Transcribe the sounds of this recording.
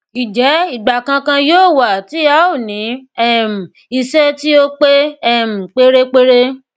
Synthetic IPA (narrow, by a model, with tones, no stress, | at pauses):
i˨d͡ʒɛ˨˦i˦˨ɡ͡ba˨kã˧kã˧joː˦˨wa˨ti˨˦a˦o˦˨nĩ˨˦ɛ˦m̩˨ | i˧sɛ˦ti˦o˦k͡pe˦ɛ˦˨m̩˨k͡pe˦ɾe˦k͡pe˦ɾe˦